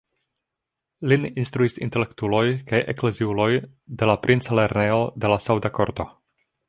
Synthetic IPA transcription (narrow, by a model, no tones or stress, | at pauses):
lininst̪ɾuisḭnte̞le̞ktulo̞jkajʔḛkle̞ziulo̞j | de̞lapɾʔint͡sale̞ɾneo̞de̞lasawdako̞ɾto̞